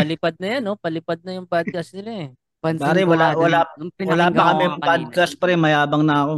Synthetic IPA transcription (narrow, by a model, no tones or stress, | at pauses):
pɐlɪpad̪̚nɐjanːo̞pɐlɪpad̪̚nɐjʊŋpad̪̚kɐsnɪɾɛ | pɐnbaːɾɛwɐlawɐlaːɪnwɐlaːpɐkɐmɛpad̪̚kaspɐɾɛmɐjaːbɐŋnɐɐko